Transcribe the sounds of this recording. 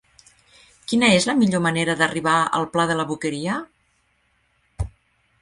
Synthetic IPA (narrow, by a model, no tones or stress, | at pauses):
kinəezləmiʎoməneɾəðəriβaə̰lˠplaðələβukəɾiə